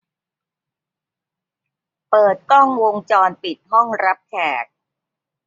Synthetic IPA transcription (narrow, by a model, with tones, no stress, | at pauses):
pɤː˨˩t̪̚kɔ˥˩ŋwo˧ŋt͡ɕɔː˧npi˨˩t̪̚hɔ˥˩ŋɾa˦˥p̚kʰɛː˨˩k̚